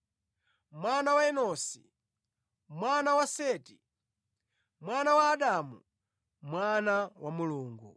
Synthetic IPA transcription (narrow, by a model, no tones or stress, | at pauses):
mwanawaɛnɔsḭ | mwanawasɛːti | mwanawaːɗamu | mwanawamuluːŋɡṵ